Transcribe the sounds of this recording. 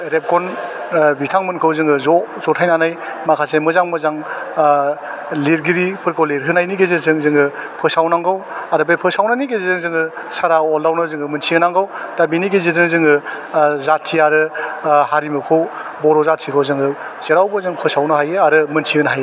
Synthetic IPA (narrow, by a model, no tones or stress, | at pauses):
ɾep̚kʰɔn | bitʰaŋmɯnkʰɯwzɯŋɯzɔzɔtʰajnanajmakʰasemɯzaŋmɯzaŋ | liɾɡiɾipʰɯɾkʰowliɾɦɯnajniɡezizɯŋzɯŋɯpʰɯsawnaŋɡawadɯbepʰɯsawnaniɡezizɯŋzɯŋɯ | saɾaɔldawnɯzɯŋɯmɯnsʰiɯnaŋɡawdabiniɡezizɯŋzɯŋɯ | zatʰːiaɾɯhaɾimɯkʰɯwbɔɾɔzatʰikʰɯwzɯŋɯ | z̥eɾawbɯzɯŋpʰɯsawnɯɦajeaɾɯmɯnsʰiɯnɦaje